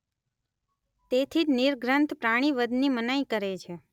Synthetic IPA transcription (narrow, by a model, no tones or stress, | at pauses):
t̪et̪ʰiniɾɡʱɾənt̪ʰpɾaɽ̃iʋəd̪nimənaikəɾet͡ʃʰe